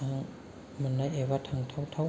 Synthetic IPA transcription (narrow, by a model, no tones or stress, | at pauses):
aŋ | manːajʔewat̪ʰaŋt̪ʰawt̪ʰa